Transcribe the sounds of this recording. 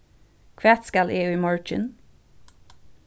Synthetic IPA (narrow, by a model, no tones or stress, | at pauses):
kʰʋæːt̪skælʔeːʉːmɑɹt͡ʃɪ̰n